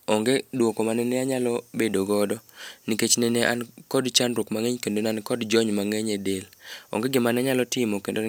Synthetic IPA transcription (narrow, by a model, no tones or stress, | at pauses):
ɔŋɡedwokomanɛnɛaɲalɔbedoɡɔdɔniket͡ʃnɛneʔa̰nkɔdt͡ʃanɾokmaŋeɲkendonankɔdd͡ʒɔɲmaŋeɲedelɔ̰ŋɡeɡɪmanɛaɲalɔtɪmɔkendo